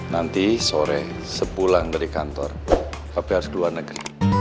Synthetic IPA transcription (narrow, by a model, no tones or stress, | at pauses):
nant̪isoɾɛ | səpulaŋd̪əɾikant̪ɔrkab̥eaɾskəluarnəɡ̥ɾi